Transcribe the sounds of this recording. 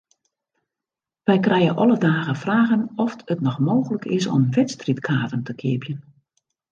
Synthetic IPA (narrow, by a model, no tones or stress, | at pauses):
ʋɛjkrɛjəʔɔlədaːɣəfraːɣənɔftətnɔxmoːɣələkʰɪsɔ̰mʋɪtstritkʰaːtəntʰəkʰɪ̰əpjən